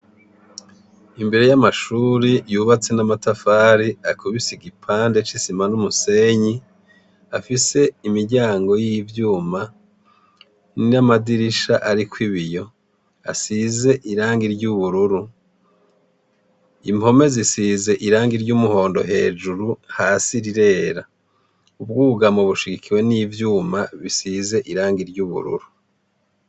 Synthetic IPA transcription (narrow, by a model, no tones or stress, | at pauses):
imbe̞ɾe̞jamaʃuːɾijuːβat͡se̞namatafaːɾiakʰuβisiɡipʰaːnde̞t͡ʃisimanumuse̞ɲi | afise̞imiɾɟaːŋɡo̞jivjuːma | nnamadiɾiʃaʔaɾikwiβijo̞ | a̰size̞ʔiɾaːŋɡiɾɟuβuɾuɾu | imho̞me̞zisiːze̞ʔiɾaːŋɡiɾɟuːmuho̞ːndo̞̰ɦe̞ːʒuɾuhaːsiɾiɾe̞ːɾa | ub̚ɡuːɡamoβuʃiɡikiwe̞niːvjuːmaβisize̞ʔiɾaːŋɡiɾɟuβṵɾṵɾu